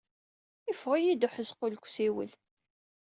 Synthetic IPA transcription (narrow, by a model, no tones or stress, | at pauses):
ɪfʁijid̪ʊħəzqʊlkʷːsiwə̰l